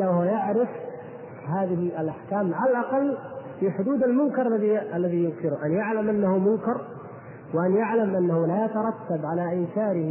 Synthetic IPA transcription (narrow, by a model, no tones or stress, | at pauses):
lawhwajaʕɾɪf | haːðɪɦɪɪlʔaħkaːmʕalalʔɑqɑlːfiħʊd̪uːd̪almʊnkɑɾˤlːaðiʔalːaðijʊnkɪɾʊʔanjaʕlamʔanːahumʊŋkɑɾˤ | wɪʔanjaʕlamʔanːahulajat̪ɑɾˤɑt̪ːabʕalaʔɪːsaːɾɪh